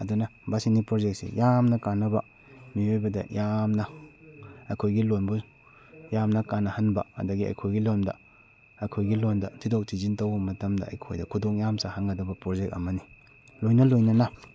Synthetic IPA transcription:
ɐdunɐbasinipɾozek̚sḛjamnɐkanːɐbɐ | miojbɐdɐ̰jamnɐ | ɐjkʰojɡilonbu | jamnɐkanːɐhɐnbɐ̰ɐ̰dɐɡiɐ̰jkʰojɡilondɐ̰ | ɐjkʰojɡilondɐtʰidok̚tʰizintɐwbɐmɐtɐmdɐ̰ɐ̰jkʰo̰jdɐkʰudoŋjamsahaŋɡɐdɐbɐpɾozek̚ɐ̰mɐni | lojnɐlojnɐnɐ

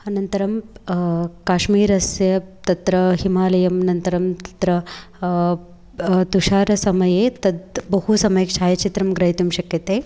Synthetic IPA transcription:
ɐnɐnt̪ɐɾɐm | kaːʃmiːɾɐsjɐt̪ɐt̪ɾɐɦimaːlɐjɐmnɐnt̪ɐɾɐmt̪ɐ̥t̪ɾɐ | t̪uʃaːɾɐsɐmɐjeːt̪ɐd̪bɐɦusɐmɐjɐkʃʰaːjɐt͡ʃit̪ɾɐmɡɾɐɦit̪umʃɐkjɐt̪eː

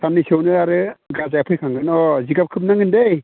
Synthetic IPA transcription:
sanːisɯwnɯaɾɯɡazajapʰɯjkʰaŋɡɯnɔziɡap̚kʰɯp̚naŋɯndej

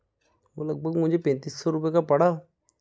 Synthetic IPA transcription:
ʋo̰ːləɡ̚bʱəɡmʊ̃d͡ʒʱepɛ̃ːnt̪iːsːɔɾʊp̬ekapɐɽa

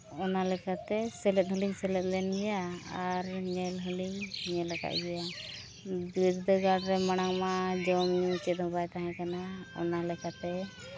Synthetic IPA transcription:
ɔnalɛkat̪ɛsɛlɛt̪̚ˀɦɔliɲsɛlɛt̪̚lɛnɡɛjaaɾɲɛlɦəliɲɲɛlaka̰ʔ̪ɡɛja | d̪iɾd̪əɡaɽɾɛmaɽ̃aŋmad͡ʒɔmɲut͡ʃɛt̪̚hɔbajt̪aɦãkanaɔ̰nalɛkat̪ɛ

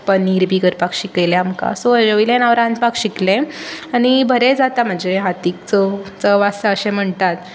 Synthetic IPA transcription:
pəiɾbʱiɡəɾpakɕikəjleamka̰soəd͡ʑəʋilẽnaʋɾãnd̪pakɕiklẽaɽ̃ibʱəɾed͡zat̪am̤əɳd͡zeɦat̪ik̚t͡sət͡səʋasaəɕẽm̤əɳt̪at̪

